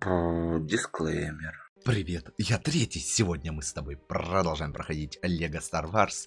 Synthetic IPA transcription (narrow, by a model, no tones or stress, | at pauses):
podʲɪsklˠejmʲɪrpɾʲɪvʲe̞t̪jat̪ɾʲetʲɪjsʲɪvo̞dʲnʲəmɨst̪ɐbo̞jpɾəd̪ɐlˠʐajɪmpɾəxɐdʲitʲɐlʲːeɡəst̪ɐrvars